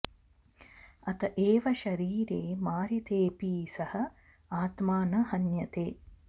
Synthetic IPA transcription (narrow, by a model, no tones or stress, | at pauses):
ɐt̪ɐʔeːʋɐʃɐɾiːɾeːmaːɾit̪eːpiːsɐhɐ | aːt̪maːnɐhɐnjɐt̪eː